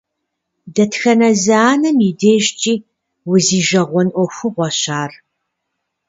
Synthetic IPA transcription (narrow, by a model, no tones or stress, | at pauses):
dɐtxɐnɐzɐaːnɐmideːʒt͡ʃʼiː | wʊziːʒɐʁʷɔnʔʷɔxʷʊʁʷɔɕaːr